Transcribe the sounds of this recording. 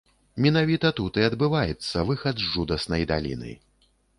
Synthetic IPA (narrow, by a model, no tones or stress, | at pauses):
mʲɛnavʲit̪ɐt̪ut̪ɨɐd̪bɨvajɛt̪sːɐvɨxɐd̪zʐud̪ɐsnɐjd̪a̰lʲḭnɨ̰